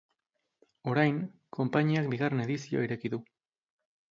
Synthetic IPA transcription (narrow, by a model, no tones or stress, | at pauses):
o̞ɾajŋkʰo̞mpaɲiak̚biɣ̞arene̞ðisio̰iɾe̞kiðu